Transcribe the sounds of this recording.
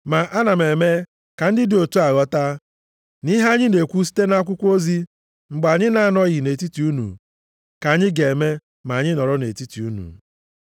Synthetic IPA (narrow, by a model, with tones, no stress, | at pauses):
ma˨ʔa˦na˨me˨me˦ | ka˨n̩˦dɪ˦do˨tu˦a˨ɣɔ˦ta˦ | ni˦ɦa˦ɲɪ˦ne˨kʷu˦s̬i̥˦te˦na˦k̬ʷʊ˦kʷo˦zi˦ | ŋ͡m̩˨ɡ͡ba˨ɲɪ˦na˦˨nɔ˦ɣɪ˨ne˨ti˦ti˨u˦nṵ˨ | ka˨ɲɪ˦ɡe˨me˦ | ma˨ɲɪ˦nɔ˨ɾɔ˦ne˨ti˦ti˨u˦nṵ˨